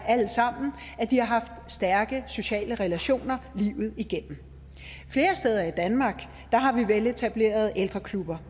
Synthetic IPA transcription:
æl̰sɑ̈m̰n̩ | æd̥ihɑ̈ɦɑ̈fd̥sd̥æɐɡ̥əso̝ɕɛ̰ːləʁɛlæɕo̝̰ːnɐliʊð̞̩ˠiɡ̥en̰m̩ | fle̝ːɐsd̥eːð̞ˠɐid̥ænmɑ̈ːɡ̥ | d̥ɑ̈ɦɑ̈ʋiʋele̝t͡sʰæb̥le̝̰ːɐð̞ˠeld̥ʁɐkʰlub̥ɐ

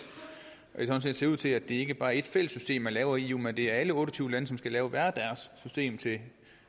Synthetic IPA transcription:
ʔɒ̽d̥e̝sɒ̽n̩se̝̰ːd̥se̝ɐuð̰ˠt͡sʰe̝læd̥e̝æɐe̝ɡ̥əb̥ɑ̈ːe̝d̥fel̰əsːysd̥e̝̰ːmælɛːʊɐiumend̥e̝æɐæləɔ̽ːɾ̥ɒ̽t͡sʰyːʊəlænəsɒ̽msɡ̥ælɛːʊəʋæːɐd̥æɐsːysd̥e̝̰ːmt͡sʰe̝

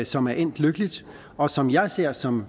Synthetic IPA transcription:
sɒ̽mæɐʔen̰d̥løɡ̥əlid̥ | ɒ̽sɒ̽mjɑ̈ɪse̝ɐ̰sɒ̽m

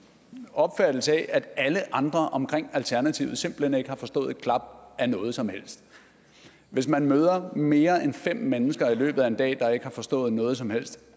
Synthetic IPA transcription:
ɒ̽b̥fæd̥l̩səɛʔæd̥æləʔɑ̈nd̥ʁɐʔɒ̽mkʰʁeŋ̰ælt͡sʰæɐnæt͡sʰḭʊð̩ˠse̝mb̥l̩hene̝ɡ̥əhɑ̈fɒ̽sd̥ɔ̰̽ːð̩ˠkʰlɑ̈b̥ænɔ̽ːð̞̩ˠsɒ̽mhel̰sd̥ | ʋe̝smænmøːð̞ˠɐme̝ːɐenfem̰ːenəsɡ̥ɐilø̰ːb̥ð̩ˠæe̝nd̥ɛ̰ːd̥ɑ̈e̝ɡ̥əhɑ̈fɒ̽sd̥ɔ̰̽ːð̞̩ˠnɔ̽ːð̞ˠsɒ̽mhel̰sd̥

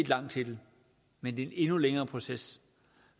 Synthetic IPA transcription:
d̥lɑ̈ŋ̰̥t͡sʰe̝d̥ | mend̥ene̝nuleŋɐːpʰʁo̝ses

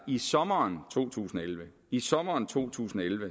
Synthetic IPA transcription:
isɒ̽mɐːnt͡sʰo̝̰ːt͡sʰṵːsn̩ɒelʋə | isɒ̽mɐːnt͡sʰo̝̰ːt͡sʰṵːsn̩ɒelʋə

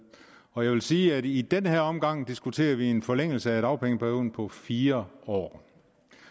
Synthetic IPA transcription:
ɒ̽jɑɪʋelsiːæd̥id̥enheɐ̰ɒ̽mɡ̥ɑ̈ŋ̰d̥isɡ̥ut͡sʰe̝̰ːɐʋie̝nfɒ̽leŋ̰l̩səæe̝ɾ̥ɑ̈ʊpʰeŋəpʰæɐjo̝ð̰̩ˠpʰɒ̽fiːɐɒ̰ː

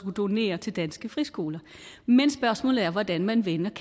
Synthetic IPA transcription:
ɡ̥ud̥o̝ne̝̰ːɐt͡sʰe̝ld̥ænsɡ̥əfʁisɡ̥o̝ːlɐ | mensb̥ɶɐsmɔ̰̽ːlð̩ˠæɐʋɒd̥ænmænʋenɐkʰ

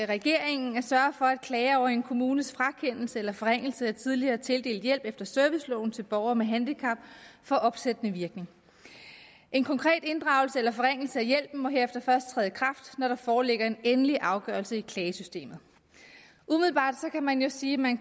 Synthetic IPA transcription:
ʁɛɡ̥e̝ɐ̰e̝ŋn̩æɐsɶɐfɒ̽æd̥̚kʰlɛːɪɐɒʊ̰ɐenkʰo̝muːnəsfʁɑ̈kʰen̰l̩səelɐfɒʁeŋ̰l̩səæt͡sʰið̞ˠliɐːt͡sʰe̝lde̝̰ːl̥jel̰b̥efd̥ɐsœɐʋislɔ̰ʊn̩t͡sʰe̝lb̥ɒʊɐmeɦænd̥ikʰɑ̈b̥̚fɒ̽ʔɒ̽b̥sed̥ənəʋiɐɡ̥ne̝ŋ | ʔe̝nkʰɒ̽ŋkʰʁɛ̰ːd̥e̝nd̥ʁɑ̈ʊlsəelɐfɒ̽ʁeŋ̰l̩səæjel̰b̥̚n̩mɒ̽ɦe̝ɐefd̥ɐfɶɐsd̥̚t͡sʰʁɛ̰ːð̩ˠkʰʁɑ̈fd̥nɒɾ̥ɑ̈fɒːle̝ɡ̥ɐe̝nenəliʔɑ̈ʊɡ̥ɶ̰ɐlsəikʰlɛːsysd̥e̝̰ːmð̞̩ˠ | ʔumiðˠl̩b̥ɑ̰̈ːd̥sɒ̽kʰæmænjo̝siːmæn

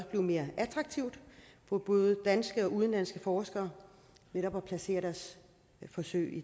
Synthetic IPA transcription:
b̥le̝ʊme̝ːɐʔæt͡sʰʁɑ̈ɡ̥t͡sʰiʊd̥fɒ̽b̥ɔ̽ːð̞̩ˠəd̥ænsɡ̥əɒ̽ʔuðˠən̩læn̰sɡ̥əfɒːsɡ̥ɐː | neɾɒ̽b̥æpʰlæse̝̰ːɐɾ̥æs | fɒ̽sø̰ɪi

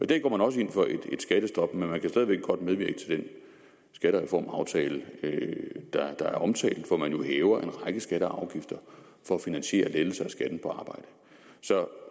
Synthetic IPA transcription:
ɒid̥æɐɡ̥ɒ̰ːmænɒ̽s̬əe̝nfɒ̽ʔe̝d̥e̝d̥sɡ̥æɾ̥əsd̥ɒ̽b̥menmænkʰæsd̥ɛð̞ˠʋe̝ɡ̥əɡ̥ɒ̽d̥̚með̞ˠʋiɐɡə̥t͡sʰe̝ld̥en | sɡ̥æɾəʁɛfɒ̰ːmɑ̈ʊt͡sʰɛːlə | d̥ɑ̈d̥ɑ̈æɐɒ̽mt͡sʰɛ̰ːld̥ʋɒmænjo̝hɛːʊɐʔe̝nʁɑ̈ɪɡ̥əsɡ̥æɾ̥əɑ̈ʊɡ̥ifd̥ɐ | fɒ̽ːfinænɕe̝̰ːɐleð̩ˠsɐæsɡ̥æd̥n̩pʰɒ̽ɑ̈ːb̥ɑ̈ɪ̰d̥ə | sɒ̽

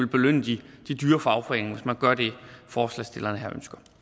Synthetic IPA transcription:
e̝lb̥e̝løn̰əd̥id̥id̥yːɐfɒɑ̈ʊfʁeŋ̩ʋe̝smænɡ̥ɶɐd̥e̝fɒːslɛ̰sd̥e̝lɐnəɦæɐ̰ø̰nsɡ̥ɐ

